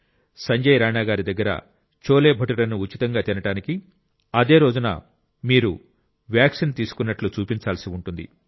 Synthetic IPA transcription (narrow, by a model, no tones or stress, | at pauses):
sɐɲd͡ʒɐjɾaːnaːɡaːɾid̪ɐɡːɐɾɐ̰ | t͡ʃo̞ːleːbʱɐʈulɐnuːt͡ʃit̪ɐŋɡaːt̪inɐʈaːniki | ɐd̪e̞ːɾo̞ːd͡ʒunɐ̰ | miːɾu | ʋjaːksint̪iːsu̥kunːɐʈlut͡ʃuːpiɲt͡ʃaːlsiuɳʈund̪ḭ